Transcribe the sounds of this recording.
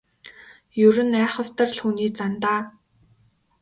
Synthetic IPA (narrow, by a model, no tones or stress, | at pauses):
jɵɾɘ̆næːχə̆wt̪ə̆rɮxuːniːt͡sant̪aː